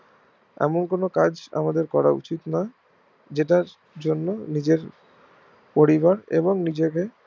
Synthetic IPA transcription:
ɛ̰monkonokad͡ʑa̰mad̪eɾkɔɾaṵt͡ɕit̪na | d͡ʑeʈaɾ | d͡ʑonːonid͡ʑeɾ | poɾiβaɾḛboŋnid͡ʑeke

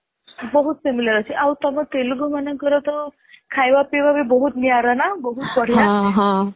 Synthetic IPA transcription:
bɔɦut̪semilɔɾɔt͡ʃʰiʔawt̪ɔmat̪ejluɡɔmanɔ̃kɔɾɔt̪ɔ | kʰajbapebabebɔɦut̪niaɾanabɔɦut̪̚bɔɽ̤ijaɦ

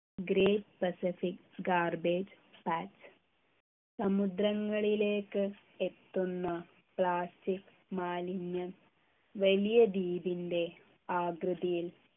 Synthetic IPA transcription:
ɡɾeːʈ̚pɐsifik | ɡaːrbeːd͡ʑ | paːt͡ʃ | sɐmud̪ɾɐŋːɐɭile̞ːkːɨ | et̪ːunːɐ | pɭaːstik | maːliɲːɐn | ʋɐlijɐd̪iːbinde̞ | aːɡɾɨðijil

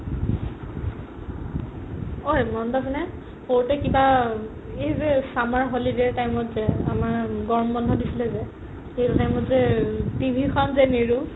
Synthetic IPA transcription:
ojmɔndɔsinɛ | hoɹtɛkiba | ejzɛsamaɹɦolideɹtajmɔtzɛamaɹɡɔɹmbɔndʱɔdisilɛzɛ | xejtutajmɔtzɛtibʱikʰɔnzɛneɹu

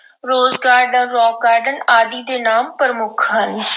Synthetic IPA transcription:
ɾoːzɡaːɾɖənɾɔːkaːɾɖənaːd̪iːd̪eːnaːmpəɾəmʊkʰɦən

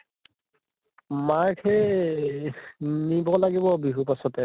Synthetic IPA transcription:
makʰɛ | nibɔlaɡibɔbiɦupasɔtɛ

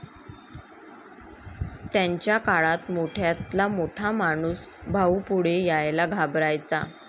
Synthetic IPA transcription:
t̪jaɲt͡ɕjakaɭat̪moʈʰjat̪lamoʈʰamaɽ̃uːs | bʱaupuɽejajlaɡʱabɾajt͡sa̰

